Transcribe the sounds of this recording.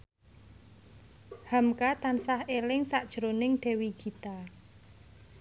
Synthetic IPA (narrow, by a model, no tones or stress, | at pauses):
hamkat̪ansahelɪŋsaʔd̥ʒ̥ɾonɪŋɖ̥ɛ̤wiɡ̥i̤t̪a